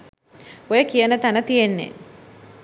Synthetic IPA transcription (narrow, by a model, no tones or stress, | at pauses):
ojəkijənət̪anət̪ijenːḛ